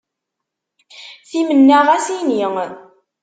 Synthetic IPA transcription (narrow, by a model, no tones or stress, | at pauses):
θimənːæʁæsiniŋ